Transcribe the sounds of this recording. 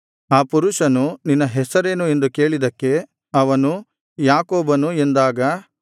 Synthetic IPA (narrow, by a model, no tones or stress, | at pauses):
aːpuɾuʃɐnuninːɐɦɛsɐɾe̞ːnue̞nd̪uke̞ːɭid̪ɐkːe̞ | ɐʋɐnu | jaːkoːbɐnuend̪aːɡɐ